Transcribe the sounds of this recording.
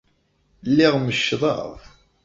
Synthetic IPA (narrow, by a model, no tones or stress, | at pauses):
lːɪʁməʃːðˤɑ̰ðˤ